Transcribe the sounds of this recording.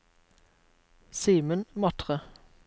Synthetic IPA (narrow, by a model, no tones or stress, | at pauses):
siːmənmɑt̪ʁə